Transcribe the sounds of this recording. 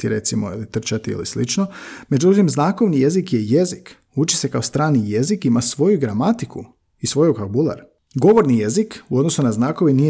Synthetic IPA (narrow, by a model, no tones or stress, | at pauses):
t̪iɾe̞t̪simoilit̪r̩t͡ʃat̪iḭlḭslit͡ʃnome̞d͡ʒut̪imznaːko̞ʋnije̞zikje̞jezik | ut͡ʃi̥se̞kaost̪ɾaːnije̞zikimasʋo̞juɡɾamat̪iku | isʋo̞jukabulˠa̰ɾ | ɡo̞ʋo̞ɾnije̞zikuo̞d̪nosunaznaːko̞ʋinije